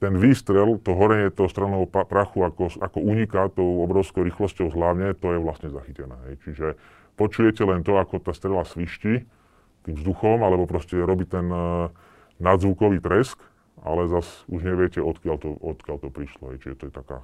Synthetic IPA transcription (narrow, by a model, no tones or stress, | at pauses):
t̪ɛnʋiːst̪ɾɛlt̪ɔɦɔɾɛɲɪɛt̪ɔʊst̪ɾanɔɦɔpɾaxuakɔakɔuɲikat̪ɔʊɔbɾɔʊskɔʊɾiːxlɔscɔʊzɦlaʊɲɛt̪ɔjɛʋlasɲɛzaxicɛnɛ̰ːɦɛjt͡ʃiʒɛ | pɔt͡ʃujɛcɛlɛnt̪ɔakɔt̪aːst̪ɾɛlasʋiʃci | t̪iːmzd̪uxɔmalɛbɔpɾɔscɛɾɔbit̪ɛnː | ad̪zʋukɔʋiːt̪ɾɛsk | ʔa̰lɛzasuʒɲɛʋɪɛcɛɔt̪kɪaʎt̪ɔʔɔt̪kɪaʎt̪ɔpɾiʃlɔ̰ɦɛjt͡ʃiʒɛt̪ɔjɛt̪aka̰ː